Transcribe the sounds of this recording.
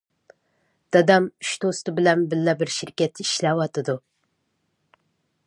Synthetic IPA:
d̪̥ɑd̪ɑmyʃd̪ost̪ɨbɪlɛnbɪlːɛbɪɾʃiɾkʲɛt̪ʰːiʃlɛwɑt̪ʰɨd̪u

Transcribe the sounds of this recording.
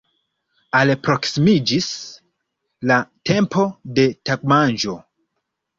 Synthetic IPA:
alpɾo̞ksimid͡ʒis | late̞mpo̞de̞tak̚manʒo̞

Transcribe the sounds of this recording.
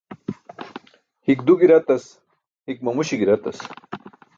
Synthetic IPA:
hikd̪uɡiɾɐt̪ɐs | hik̚mɐmuɕiɡiɾɐt̪ɐs

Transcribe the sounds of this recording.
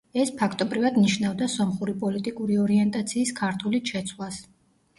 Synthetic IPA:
ɛspʰakʰt̪ʼɔbɾivad̪niʃnavd̪asɔmχuɾipʼɔlit̪ʼikʼuɾiɔɾiɛnt̪ʼat̪sʰiːskʰaɾt̪ʰuliʃʰɛt̪sʰwlas

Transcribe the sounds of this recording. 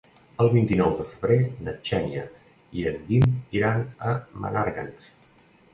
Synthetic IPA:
əlˠβint̪inɔwðəfəβɾenət͡ʃɛnjə̰ | iənd̪imiɾanəmə̰naɾɣans

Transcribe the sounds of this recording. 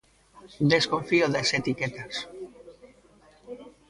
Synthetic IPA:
d̪eskoɱfioðeset̪iket̪as

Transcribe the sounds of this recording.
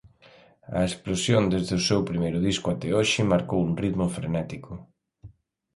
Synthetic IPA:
ɐ̰esplosjond̪ezðɪʊsewpɾimejɾʊðiskʊat̪ɛoʃɪmaɾkowuŋriðmʊfɾḛnɛt̪ikʊ

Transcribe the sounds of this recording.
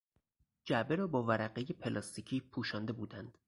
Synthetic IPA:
d͡ʒæʔbeɾɒːbɒːvæɾæɢeje̞pʰelɒːst̪icʰiːpʰuːʃɒːnd̪e̞buːd̪ænd̪̥

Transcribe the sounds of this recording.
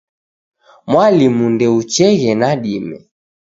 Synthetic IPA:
mwalimundɛut͡ʃɛɣɛnaɗimɛ̰

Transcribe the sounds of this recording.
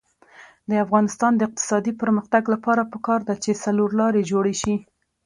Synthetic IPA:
d̪əafɣɑnɪst̪ɑnd̪əɪq̚t̪ɪ̥sɑd̪ipəɾməxt̪aɡlapɑɾapəkɑɾd̪at͡ʃesaloɾlɑɾed͡ʒoɽeʃi

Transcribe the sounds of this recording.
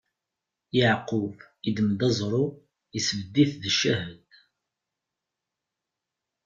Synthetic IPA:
jəʕqʊv | id̪əməd̪æzˤɾˤu | əsvəd̪ːiθðəʃːæhəd̪

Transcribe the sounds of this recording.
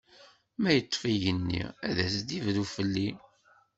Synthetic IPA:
mæjət̪ˤːfijənːḭæðæsd̪ivðufəlːi

